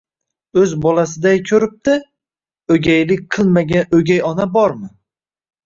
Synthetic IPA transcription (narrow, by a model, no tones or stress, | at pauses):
ɵzbɒlasɪd̪ajkʲʰɵɾɪp̚t̪ɪ | ɵɡʲajlɪk̚ʲqʰɨlˠmaɡʲanɵɡʲajɒnabɒɾmɪ